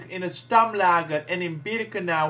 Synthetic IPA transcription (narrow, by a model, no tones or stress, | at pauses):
χɪnətstɑmlaːɡəɾɛnɪnbɪɾəkənaː